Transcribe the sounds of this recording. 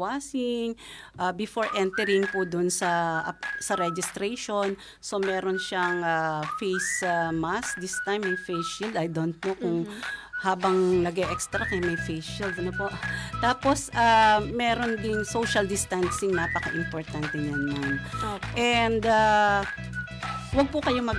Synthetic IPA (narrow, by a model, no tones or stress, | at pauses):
waːsɪŋʔabɪfoɹʔɛnt̪ɛɾɪŋpʊd̪ʊnsɐ | sɐɾɛd͡ʒɪst̪ɾɛjʃon | so̞mɛːɾonʃaŋafejsamasd̪ɪst̪ajmɐjfejsild̪ɐjd̪on̚pokʊŋhaːbɐŋnɐɡɛʔɛkst̪ɾɐkɐjmɐjfejsild̪̚ɐnopoʔt̪aːposʔamɛɾond̪ɪnsowʃɐld̪ɪst̪ansɪŋnaːpɐkɐʔɪmpoɹt̪ant̪ɛɲɐnːonɛnd̪a | wɐɡ̚pʊkɐjo̞mɐɡ